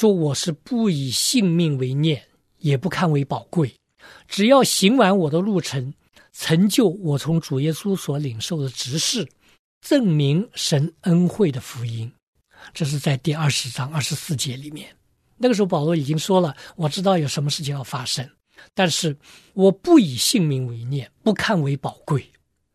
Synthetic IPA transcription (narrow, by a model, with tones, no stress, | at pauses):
ʂwɔ˥wɔ˨˩ʂɻ̩˥˧pu˥˩i˨˩ɕi˥˧ŋmi˥˩ŋwe˧˥ɪnjɛ˥˩n | jɛ˨˩pu˥kʰa˥˩nwe˧˥ɪpɑ˨˩ʊkwe˥˩ɪ | ʈ͡ʂɻ̩˨˩jɑ˥˩ʊɕi˧˥ŋwa˧˥nwɔ˨˩d̪ə˦lu˥˩ʈ͡ʂʰə˧˥n | t͡sʰə˧˥ŋt͡ɕjo˥˩ʊwɔ˨˩t͡sʰʊ˧˥ŋʈ͡ʂu˨˩jɛ˥su˥swɔ˧˥li˨˩ŋʂo˥˩ʊd̪ə˩ʈ͡ʂɻ̩˧˥ʂɻ̩˥˩ | ʈ͡ʂɤ˥˩ŋmi˧˥ŋʂə˧˥nə˥nxwe˥˩ɪd̪ə˩fu˧˥i˥n | ʈ͡ʂɤ˥˧ʂ̬ɻ̩˥˧t͡sa˥˧ɪt̪i˥˧ɐ˞˥˩ʂɻ̩˧˥ʈ͡ʂɑ˥ŋɐ˥˩ʂɻ̩˧˥sɹ̩˥˩t͡ɕjɛ˧˥li˨˩mjɛ˥˩n | na˥˩ɡə˩ʂɻ̩˧˥xo˥˩pɑ˨˩ʊlwɔ˧˥i˨˩t͡ɕi˥ŋʂwɔ˥lə˨wɔ˨˩ʈ͡ʂɻ̩˥t̪̬ɑ˥˩ʊjo˨˩ʊʂə˧˥nmə˧ʂɻ̩˥˩t͡ɕʰi˨˧ŋjɑ˥˩ʊfa˥ʂə˥ŋ | t̪a˥˧nʂɻ̩˥˩ | wɔ˨˩pu˥˩i˨˩ɕi˥˧ŋmi˧˥ŋwe˧˥ɪnjɛ˥˩npu˧˥kʰa˥˩nwe˧˥ɪpɑ˨˩ʊkwe˥˩ɪ